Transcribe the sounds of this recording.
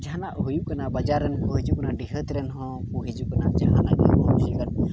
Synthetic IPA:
d͡ʒanaʔɦujukanabad͡ʒaɾːɛnkuɦed͡ʒukanaɖiɦət̪ɾɛnɦɔ̃kuɦed͡ʒukanad͡ʒaɦanaʔɛ̰ɦɔ̃nlɡə

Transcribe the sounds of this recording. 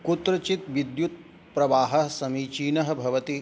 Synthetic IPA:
kut̪ɾɐt͡ʃit̪ʋid̪jut̪̚ | pɾɐʋaːɦɐsɐmit͡ʃiːnɐɦɐ̆bʱɐʋɐt̪i

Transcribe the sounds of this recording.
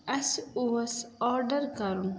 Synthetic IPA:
ɐsuɐsɔːɾɖɐɾkɐɾun

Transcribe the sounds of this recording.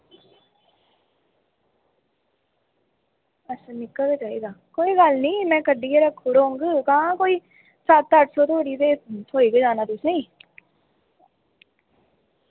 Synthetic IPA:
əsnɪkːəket͡ʃaːiːd̪aːkoːiːɡəlnĩːmɛ̃ːkəɖiːeːɾəkʰːʊɽõːŋɡkãːkoːiː | sət̪ːt̪əʈsoːt̪ʰoaːɽiːt̪eːt̪ʰoːiːkeːd͡ʒaːnaːt̪ʊsẽiː

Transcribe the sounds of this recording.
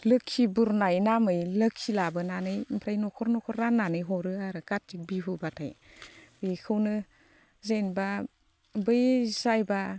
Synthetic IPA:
lɯkʰːibuɾnajnamɯjlɯkʰːilabɯnanɯjmpʰɾajnɔkʰɔɾnɔkʰɔɾːanːanɯjɦɔɾɯaɾɯkat̚tik̚biɦubatʰa̰j | bikʰɯwnɯ | zenba | bɯjzajba

